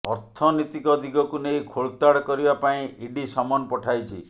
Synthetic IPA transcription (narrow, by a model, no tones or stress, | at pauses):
ɔɾt̪ʰɔnit̪ikɔd̪ʱikɔkunejkʰoɭt̪aɽkɔɾibapaĩʔiɖisɔmɔnɔpɔʈʰajt͡ʃʰi